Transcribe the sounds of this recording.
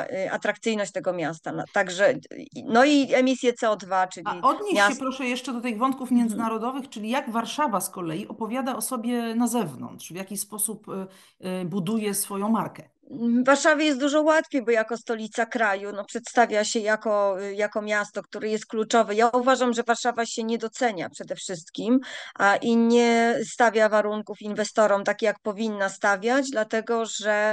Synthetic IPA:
a̰t̪ɾak̚t̪sɘjnɔɕt͡ɕ̚t̪ɛɡɔmʲjast̪anat̪aɡʐɛnɔiɛmʲisʲjɛt̪sɛɔd̪vat͡ʂɘlʲaiɔd̪ɲeaɛpɾɔʂɛjɛʂt͡ʂɛd̪ɔt̪ɘɣvɔnt̪̚kufmʲjɛnd̪zɘnaɾɔd̪ɔvɘxt͡ʂɘlʲijaɡvaɾʂavaskɔlɛjiʔɔpɔvʲjad̪aɔsɔbʲjɛnazɛvnɔ̰ntʂvʲjakʲispɔsup | bud̪ujɛsfɔjɔ̃w̃maɾkɛ | vːaɾʂavʲjajɛst̪d̪uʐɔwat̪fʲejbɔjakɔst̪ɔlʲit̪sakɾajunɔpʂɛt̪st̪avʲjaɕɛjakɔjakɔmʲjast̪ɔkt̪uɾɛjɛst̪̚klut͡ʂɔvɘjauvaʐamʐɛvaɾʂavaɕɛɲɛd̪ɔt̪sɛɲa̰pʂɛd̪ɛfʂɘst̪kʲimʔaʔiɲɛst̪avʲjavaɾuŋkufinvɛst̪ɔɾɔmt̪akʲijak̚pɔvʲinːast̪avʲjad͡ʑd̪lat̪ɛɡɔʐɛ

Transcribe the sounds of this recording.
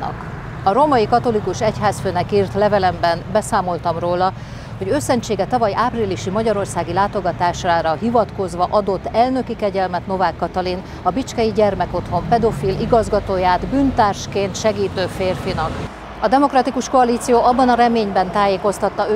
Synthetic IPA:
nɒ̰k | ɒɾo̞mɒjikɒt̪o̞likuʃɛchaːsføːnɛkiːrt̪lɛvɛlɛmbɛnbɛsaːmo̞lt̪ɒmroːlɒ | ho̞ɟøːsɛnt͡ʃeːɡɛt̪ɒvɒjʔaːpriliʃimɒɟɒɾo̞rsaːɡilaːt̪o̞ɡɒt̪aːʃaːɾɒɦivɒt̪ko̞zʋɒʔɒd̪o̞t̪ːɛlnø̞kikɛɟɛlmɛt̪no̞vaːkːɒt̪ɒlin | ɒbit͡ʃkɛjiɟɛrmɛko̞t̪ho̞mpɛd̪o̞filiɡɒzɡɒt̪oːjaːd̪byːnt̪aːrʃkeːnt̪ʃɛɡiːt̪øːfeːrfinɒk | ɒd̪ɛmo̞krɒt̪ikuʃkoɒliːt̪sijoːʔɒbːɒnɒɾɛmeːɲbɛnt̪aːjeːko̞st̪ɒt̪ːɒø

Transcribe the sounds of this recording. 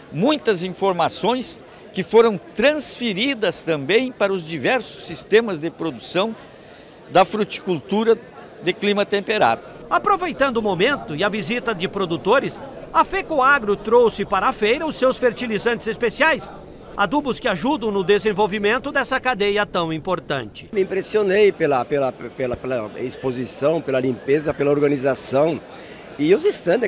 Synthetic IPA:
mũj̃t̪ɐzĩfoɾmasõj̃s | kɪfoɾɐ̃w̃t̪ɾɐ̃sfeɾid̪ɐst̪ɐ̃mbẽj̃paɾɐʊzd͡ʒivɛɾsʊ̥sːist̪ẽmɐzd̪ɪpɾod̪usɐ̃w̃ | d̪ɐfɾut͡ʃi̥kult̪uɾɐ | d̪ɪklimɐt̪ẽmpeɾa̰d̪ɐapɾovejt̪ɐ̃nd̪ʊːmomẽnt̪ʊɪɐvizit̪ɐd͡ʒ̪ɪpɾod̪ut̪oɾɪsɐfekoaɡɾʊt̪ɾowsɪpaɾɐafejɾɐʊsewsfeɾt͡ʃilizɐ̃nt͡ʃ̪ɪzespesiajs | ad̪ubʊskɪaʒud̪ɐ̃w̃nʊd̪ezẽvowvimẽnt̪ʊd̪ɛsɐkad̪ejɐt̪ɐ̃w̃ĩmpoɾt̪ɐ̰̃nt͡ʃɪ̥mɪĩpɾesionejpelɐpelɐpelɐpelɐespozisɐ̃w̃pelɐlĩmpezɐpelɐoɾɡɐnizasɐ̃w̃ | ɪʊzist̪ɐ̃d̪

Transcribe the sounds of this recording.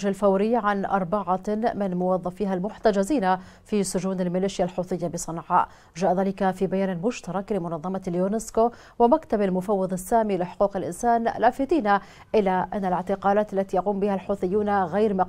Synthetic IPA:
alfawɾɪjːʕanʔɑ̰ɾˤbɑʕamɪnmʊwɑðˤːɑfiːɦalmʊħt̪ad͡ʒaziːna | fisʊʒuːnalmɪliːʃɪjalħuːθˤɨjːabɪsˤɨnʕɑ̰ːʔ | ʒaːʔðaːlɪkafibajaːnalmʊʃt̪ɑɾˤɑklɪmʊnɑðˤːɑmɑljunɪsko | wɪmakt̪abalmʊfɑwːɑðˤɪsːaːmilɪħʊ̥quːqɪlʔɪnsaːnlaːfɪt̪ˤiːna | ʔɪlaʔanːalɪʕt̪ɪqɑːlaːt̪alːat̪ijaquːmbɪhalħuːθˤɪjːuːnɣajɾmɪ

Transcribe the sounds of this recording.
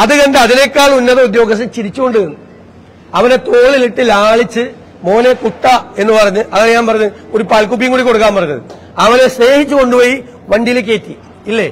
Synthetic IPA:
ɐðɨkɐnɖɐɐðinekːaːɭunːɐðɐud̪jo̞ːɡɐs̬ɐt͡ɕiɾit͡ɕːuko̞ɳɖɨɣɐnːu | ɐʋɐne̞t̪o̞ːɭiliʈːilaːɭit͡ɕːɨ | mo̞ːne̞kuʈːɐe̞nːɨpɐrɐɲːuʔɐŋːneɲaːnpɐrɐɲːuo̞ɾupaːlkup̬ːijɐŋkuːɽiko̞ɽuk̬ːaːmpɐrɐjɲːɐðɨ̰ | ɐʋɐne̞se̞ːhit͡ɕːuko̞ɳɖupo̞ːji | ʋɐɳɖijlek̬ːeːt̪ːi | ilːe

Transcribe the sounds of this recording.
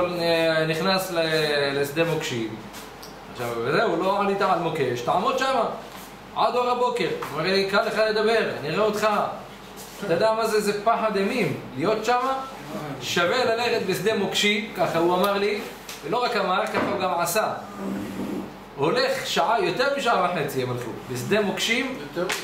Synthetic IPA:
lniχnaslelesd̪emokʃi | ʕaʃavːezeuloʕalit̪aʕalmokeʃt̪aʕmod̪̚ʃama | ʕad̪oʁabokeʁomeʁlikalːeχad̪ed̪abeʁniʁeot̪χa | t̪ad̪amazezepaħad̪emimlijot̪ʃama | ʃavelaleχet̪̚besd̪emokʃimkaχauamaʁli | veloʁakamaʁkaxauɡamʕasa | holeχʃaʕajot̪eʁmiʃaʕabaħet͡sijemalxṵbesd̪emokʃim

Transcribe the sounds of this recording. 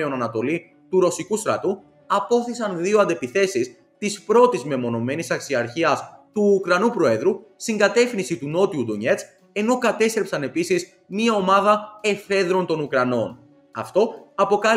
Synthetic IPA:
eo̞nɐnɐt̪o̞li | t̪uɾo̞sikust̪ɾɐt̪u | ɐpo̞θisɐnðioɐnd̪e̞piθe̞sis | t̪ispɾo̞t̪izme̞mo̞no̞me̞nisɐksiɐɾçiɐst̪uːkɾɐnupɾo̞e̞ðɾust̪iŋɡɐt̪e̞fninsit̪uno̞t̪iud̪oɲe̞tt͡s | e̞no̞kɐt̪e̞st̪ɾe̞psɐne̞pisiz | miɐo̞mɐðɐe̞fe̞ðɾo̞nt̪o̞nukɾɐno̞n | ɐ̰ft̪o̞ɐpo̞kɐ

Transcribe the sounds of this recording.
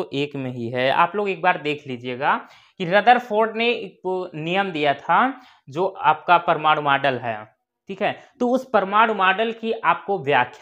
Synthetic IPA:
oʔeːkmẽɦiɦɛa̰ːploːɡeːk̚baːɾd̪eːkʰliːd͡ʒieɡa | kiɾɐd̪əɾfʰoːɾɖneknijəmd̪ijat̪ʰa | d͡ʒoːaːp̚kapəɾmaːɽmaːɖəlɦɛ̰ː | ʈʰiːkɦɛːt̪oʊspəɾmaːɽ̃maːɖəlkiʔaːp̚koʋjaːkʰj

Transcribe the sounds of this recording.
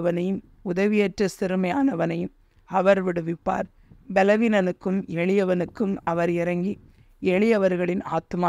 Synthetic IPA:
ʋɐnɐjɯm | ʊðɐʋɪjɐʈrɐsɪɾɯmɐjaːnɐʋɐnɐjɯm | ɐʋɐɾʋɪɽɯʋɪpːa̰ːɾ | bɛlɐʋinɐnɯkːɯmɛɭɪjɐʋɐnɯkːɯmɐʋɐɾɪɾɐŋɡi | ɛɭɪjɐʋɐɾɣɐɭɪna̰ːt̪ma

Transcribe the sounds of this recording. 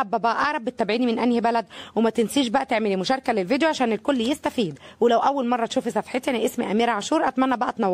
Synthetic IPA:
æbːæbæʔʔɑʕɾˤɑbːet̪ːæbʕiːnimenʔænjebælæd̪wemæt̪ɪnsiːʃbæʔæt̪eʕmeliːmʊʃɑːɾˤkælelvid̪joʕaʃæːnelkolːjest̪æfiːd̪welæwʔæwːælmɑrˤːɑt̪ʃuːfisæfħet̪enʔesmiʔæmiːɾaʕaʃuːɾʔæt̪mænːæbæʔæt̪nɑwː

